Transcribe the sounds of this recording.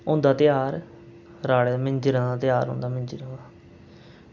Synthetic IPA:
ʊ̃ːnd̪aːt̪ɪjaːɾ | ɾaːɭeːaːmɪ̃ɲd͡ʒɾaːd̪aːt̪ɪjaːɾɦõ̰ːnd̪aːmɪ̃nd͡ʒɾaːaː

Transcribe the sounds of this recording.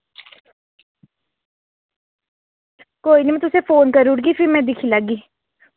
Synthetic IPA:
koːiːnimɛ̃ːt̪ʊseːpʰoːnkəɾʊɽɡiːpʰɪmɛ̃ːd̪ɪkʰiːləɡiː

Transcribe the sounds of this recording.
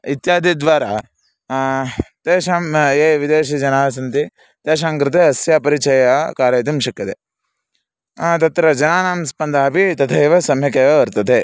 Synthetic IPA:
it̪jaːd̪id̪ʋaːɾa | t̪eːʃaːmeːʋid̪eːʃid͡ʒɐnaːsɐnt̪i | t̪eːʃ̬aːŋkɾɪt̪eɦɐsjaːpɐɾit͡ʃɐjakaːɾɐːt̪imʃɐkːɐt̪e | t̪ɐt̪ɾɐd͡ʒɐnaːnaːmspɐnd̪ʱaːɐpit̪ɐt̪ʰɐeʋɐsɐmjɐkeːʋɐʋɐɾt̪ɐt̪ʰe

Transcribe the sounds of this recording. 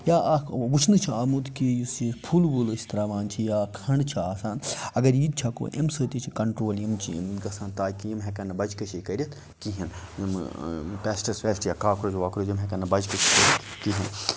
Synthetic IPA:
jaːʔʋut͡ʃʰnɨt͡ʃʰiaːmut̪kijisipʰulbulst̪ɐɾaːʋaːnt͡ʃʰijaːkʰɐɳt͡ʃʰiaːsaːnɐɡɐɾjiːd̪̚t͡ʃʰako̰ːʔḛmsəːt̪it͡ʃʰikɐɳʈɾoːljimt͡ʃʰiḭmɡɐsãːnt̪aːkijimɦekɐnɐbɐd͡ʒkɐt͡ʃʰikɐɾʲit̪ʰ | kiɦinjimpʲɛːsʈɐɾsʋeːsʈjakaːkɾod͡ʒʋaːkɾod͡ʒimɦekɐnɐbɐd͡ʒkɐt͡ʃʰikɐɾʲɐt̪kiɦin

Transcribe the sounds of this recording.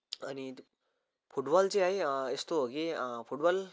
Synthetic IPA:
ani | fuʈbɔlt͡seaɦeest̪oəɡefuʈbɔl

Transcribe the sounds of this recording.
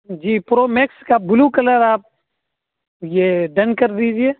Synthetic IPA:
d͡ʒiːpɾoːmekskaːbʊlukɐləɾaːp̚ | jeːɖɐnkɐɾd̪iːd͡ʒieː

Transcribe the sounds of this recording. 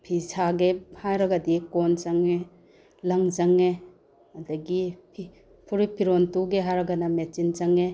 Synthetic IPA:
pʰisʰaɡehajɾɐɡɐdikonzaŋe | lɐŋzaŋe | ɐdɐɡipʰi | pʰuɾipʰiɾontuɡeɦaɾɐɡɐnɐmet͡ʃinzaŋe

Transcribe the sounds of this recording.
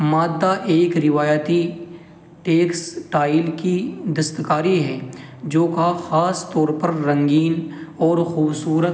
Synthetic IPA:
maːd̪ːaʔeːkɾɪʋaːjt̪i | ʈeːksʈaːɪlkid̪ɐst̪kaːɾiɦɛ | d͡ʒoːkaxaːst̪ɔːɾpɐɾːɐ̃ŋɡiːnɔːɾxuːbsuːɾət̪

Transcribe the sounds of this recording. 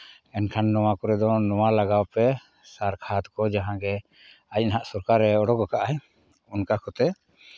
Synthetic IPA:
ɛnkʰanːɔwakɔɾɛd̪ɔnɔwalaɡawpɛ | saɾkʰat̪kɔd͡ʒaɦãɡɛ | ajnɦaʔsɔɾkaɾːɛɔɽɔkɔkaʔaɛ | unkakɔt̪ɛ

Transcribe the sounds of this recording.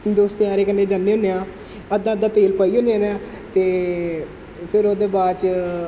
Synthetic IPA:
d̪oːst̪eaːɾeːkənːeːd͡ʒaːnːeːɦʊnːeãː | əd̪ãːəd̪ãːt̪eːlpəiːʊneaɾeãː | t̪eː | pʰɪɾoːd̪eːbaːt͡ʃ

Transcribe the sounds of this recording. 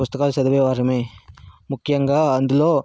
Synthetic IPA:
ʊst̪ɐkaːlsɐd̪ɐʋeːʋaːɾɐmemʊkːjɐŋɡɐɐnd̪uloː

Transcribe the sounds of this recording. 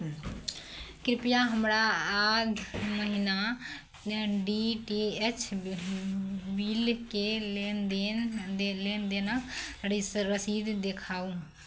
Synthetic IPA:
kɾɪpɪjaɦəmɾaaːd̪məɦina | ɖiːʈeet͡ʃʰ | biːlkend̪eːleːnd̪eːnaɾiɾəsiːd̪d̪ekʰaːũː

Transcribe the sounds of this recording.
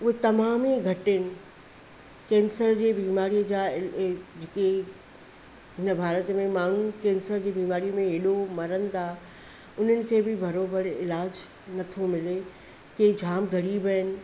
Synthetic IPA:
ʊɦet̪ɐmaːmiɡʱɐʈɪnɪ̆ | kɛ̃ːnsəɾd͡ʑeːbiːmaːɾijəd͡ʑaːɪd͡ʑɪke | ɦɪnəbʱaːɾət̪mẽmaːɳ̤ukɛːnsəɾd͡ʑeːbiːmaːɾiəmẽɦɪɗomɐɾənɪ̆d̪aː | ʊn̤ənɪ̆kʰeːbɪbʱɐɾoːbəɾɪ̰laːd͡ʑ | nɐt̪ʰomɪle | k̪ed͡ʑʱaːmɡɐɾibəənɪ̆

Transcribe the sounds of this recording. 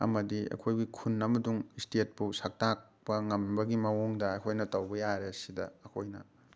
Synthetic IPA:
ɐ̰mɐdiɐ̰kʰojɡikʰunːɐmɐduŋistet̚pusak̚tak̚pɐŋɐmbɐɡimɐwoŋdɐːkʰojnɐtɐwɡɐjaɾeɐsidɐ̰ɐkʰojnɐ̰

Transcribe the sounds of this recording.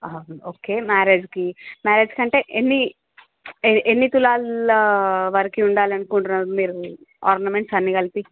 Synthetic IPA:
aoːke̞ːmaːɾeːd͡ʒkimaːɾeːd͡ʒkɐɳʈe̞ːʔenːi | eenːit̪ulaːl | ʋɐɾikiuɳɖaːlɐnukuɳʈunɐmiːɾu | aːɾnɐme̞ɳʈsɐnːikɐlipi

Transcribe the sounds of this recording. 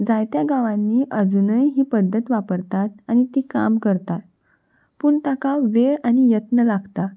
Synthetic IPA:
d͡zajt̪jaɡaʋãnːiːʔəd͡zunəjɦiːpəd̪ʱːət̪ʋapəɾt̪at̪̚aɽ̃it̪iːka̰mkəɾt̪at̪ | puːɳt̪akaʋeɭaɽ̃ijət̪nəlaɡt̪a

